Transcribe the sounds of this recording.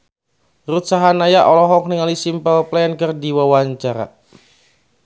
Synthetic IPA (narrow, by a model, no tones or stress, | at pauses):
rut̪̚saɦanajaʔɔlɔɦɔk̚niŋalisimpəlplɛɛnkərdiwawaɲt͡ʃaɾa̰